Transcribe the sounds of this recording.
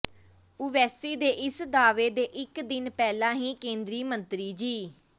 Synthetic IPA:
ʊʋɛːsiːd̪eːʔɪsd̪aːʋeːd̪eːʔɪkd̪ɪnpɛːlãːɦĩːkẽːnd̪ɾiːmənt̪ɾiːd͡ʒiː

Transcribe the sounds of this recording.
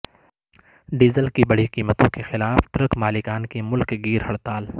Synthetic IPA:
ɖiːzəlkibɐɽ̤iqiːmət̪õkexɪlaːfʈɾɐkmaːlɪkaːnkimʊlkɡiːɾhɐɽt̪aːl

